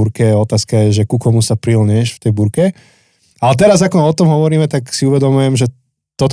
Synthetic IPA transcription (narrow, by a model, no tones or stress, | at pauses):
uɾkɛjɛɔt̪aːskajɛʒɛkukɔmusapɾilɲɛʃft̪ɛjbuɾkɛ | alɛt̪ɛɾazakɔɔt̪ɔmɦɔʋɔɾiːmɛt̪aksiuʋɛd̪ɔmujɛmʒɛ | t̪ɔt̪